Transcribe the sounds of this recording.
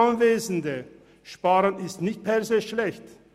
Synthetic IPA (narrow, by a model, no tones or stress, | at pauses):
anveːzn̩də | ʃpaːʁənɪstnɪçt̚pʰɛɐzeːʃlɛçt